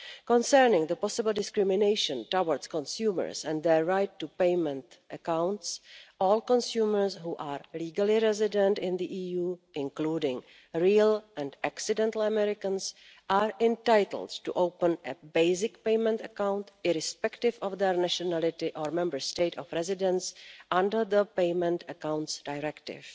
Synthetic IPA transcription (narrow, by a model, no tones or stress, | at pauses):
kɔ̃nsɛɾnɪ̃ŋd̪əpɔsɪbl̩ˠdɪskɾɪmɪnejʃə̃ntawəɾskɔ̃nsjuːmə̰ɹsɛ̃nd̪d̪ɛɹːajtːupejmɛ̃ntʔəkãwntsʔɔːlkɔ̃nsjuːməɹsɦuːʔaːɹliːɡalɪɾɛzɪdɛ̃ntɪ̃nd̪iʔiːjuːɪ̃nkluːdɪ̃ŋ | ɹiːlʔɛ̃ndaksɪdɛ̃ntl̩əmɛɾɪkə̃ns | ʔaːɹɪ̃ntajtl̩dtṵʔowpənʔɛbeɪzɪkpeɪmɛ̃ntəkãwntɪɾɪspɛktɪvɔvd̪ɛɹnɛʃɔnælɪtɪʔɔɾmɛ̃mbəɹsteɪtɔfɾɛzɪdɛ̃nsʔãndəɾðəpeɪmɛ̃ntəkãwntsdajɹɛktɪ̰v